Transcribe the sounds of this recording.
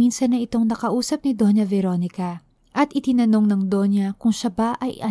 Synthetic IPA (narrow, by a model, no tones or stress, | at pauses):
insɐnːɐɪt̪o̞ŋnɐkɐʔuːsɐp̚nɪd̪o̞njɐvɛɾo̞nɪkɐ | ʔɐt̪̚ʔɪt̪ɪnɐno̞ŋnɐŋd̪o̞njɐkʊŋʃɐbaʔɐjɐ